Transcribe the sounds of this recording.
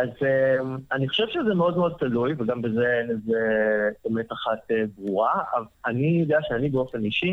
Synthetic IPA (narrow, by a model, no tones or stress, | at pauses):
azemaniχo̞ʃevʃezemeo̞dmeo̞d̪̚t̪alujveɡambezeelezeb̥emetaχat̪ebʁuʁavanijod̪eaʃeanibeo̞fe̞niʃi